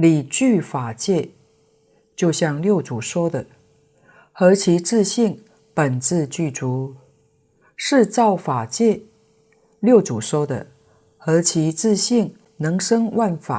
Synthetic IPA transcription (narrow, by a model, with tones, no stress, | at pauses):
li˨˩t͡ɕy˥˧fa˨˩t͡ɕjɛ˥˧ | t͡ɕjo˥˧ʊɕjɑ˥˧ŋljo˥˩ʊt͡su˨˩ʂwɔ˥d̪ə˨ | xɤ˧˥t͡ɕʰi˧˥ʈ͡ʂɹ̩˥˧ɕi˥˩ŋ | pə˨˩nt͡sɹ̩˥˧t͡ɕy˥˩ʈ͡ʂu˧˥ | ʂɻ̩˥˧t͡sɑ˥˩ʊfa˨˩t͡ɕjɛ˥˧ | ljo˥˩ʊt͡su˨˩ʂwɔ˥d̪ə̰˨ | xɤ˧˥t͡ɕʰi˧˥ʈ͡ʂɹ̩˥˧ɕi˥˩ŋ | nɤ˧˥ŋʂɤ˥ŋwa˥˩nfa̰˨˩˦